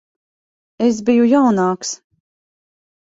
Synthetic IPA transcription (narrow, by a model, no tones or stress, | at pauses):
es̬bijujawnaːks